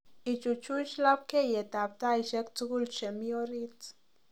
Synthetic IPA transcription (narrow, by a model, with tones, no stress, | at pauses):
i˨t͡ʃu˨t͡ʃu˦ʃla˦p̚ke˦je˨t̪a˨p̚t̪a˦i˨ʃe˦k̚t͡su˦ɡu˦lt͡ʃe˨mio˦ɾi˦t͡s